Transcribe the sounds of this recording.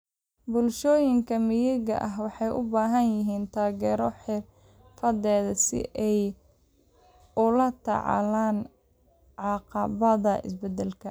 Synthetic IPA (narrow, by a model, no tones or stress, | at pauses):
bʊlʃɔːjɪŋkʰɐmɪjɪɣɐ̰ʔɐɦwɑħɑjʔʊbaːɦɐnjɪɦiːnt̪ʰaːɣɛːɾɔħɪr | fɐd̪ɛːðɐsɪ̰ʔɛj | ʊlɐt̪ʰɑ̰ʕɑ̰laːn | ʕɑqɑβɐðɐʔɪ̰sbɛd̪ɛlkʰɐ